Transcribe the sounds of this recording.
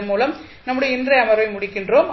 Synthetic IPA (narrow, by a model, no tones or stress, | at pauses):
muːlɐm | nɐmːʊɽiɐɪndrɐjɐmɐɾʋɐɪmʊɽɪkːɪndroːm